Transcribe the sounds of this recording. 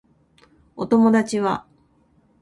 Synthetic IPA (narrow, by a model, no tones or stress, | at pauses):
ot̪o̞mo̞d̪at͡ɕiβa